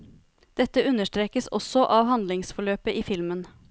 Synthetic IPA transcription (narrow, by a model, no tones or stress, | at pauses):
d̪̥ɛt̪ːəʉnəʂʈɾeːkəsɔ̰sɔʔɑːʋhɑnd̪lɪŋsfɔɭøːpəʔiːfɪlmən